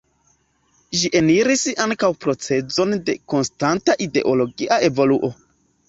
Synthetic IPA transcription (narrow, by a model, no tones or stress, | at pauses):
ʒiʔe̞niɾisaŋkawpɾo̞t͡se̞d͡zo̞nde̞ko̞nstantaʔide̞̰ʔo̞lo̞ɡiʔae̞vo̞luʔo̞